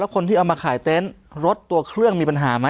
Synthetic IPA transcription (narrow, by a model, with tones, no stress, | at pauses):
ɛ˦˥wkʰo˧nt̪ʰiː˥˩ʔwmaː˧kʰaː˩˦jt̪e˦˥n | ɾo˦˥t̪ːu˧ɐkʰɾɯ˥˩əŋmiː˧pa˧nɦaː˩˦ma˦˥